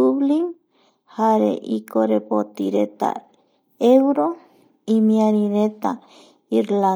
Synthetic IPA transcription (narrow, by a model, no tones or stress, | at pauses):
uβliŋ | haɾḛʔikoɾepot̪iɾet̪a̰ | ewɾo | imĩaɾĩɾet̪a | iɾla